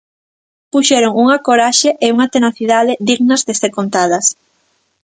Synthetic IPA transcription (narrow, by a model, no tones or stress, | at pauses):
puʃɛɾoŋuŋakoɾaʃeʔeuŋat̪enaθiðaðɪðiɣnɐzðesekont̪aðɐs